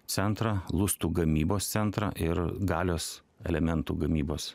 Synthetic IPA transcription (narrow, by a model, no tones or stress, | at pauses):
t̪sʲɛnt̪ɾɑlˠʊst̪uːɡɐmʲiːboːst̪sʲɛnt̪ɾɑ̰ʔɪɾɡɑːlʲoːs | ɛ̰lʲɛmʲɛnt̪uːɡɐmʲiːboːs